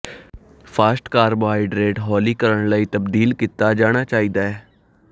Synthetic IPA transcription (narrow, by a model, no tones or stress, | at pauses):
pʰaːsʈkaːɾbaːiɖɾeːʈɦɔːliːkəɾəɳlaiːt̪əbd̪iːlkit̪ːaːd͡ʒaːɽ̃aːt͡ʃaːiːd̪aːɛː